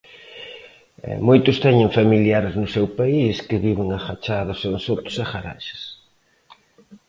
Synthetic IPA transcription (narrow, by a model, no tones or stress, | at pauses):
ɛ̰mojt̪ʊst̪ɛɲɪ̃ŋfamiljaɾɪznʊsewpaiskɪβiβɪŋɐxat͡ʃaðɐsoŋsot̪ʊ̥sɐxaɾa̰ʃɪ̥s